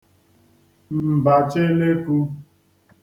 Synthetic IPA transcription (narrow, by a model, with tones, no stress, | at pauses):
mm̩˨ba˨t͡ʃe˦le˦ku˦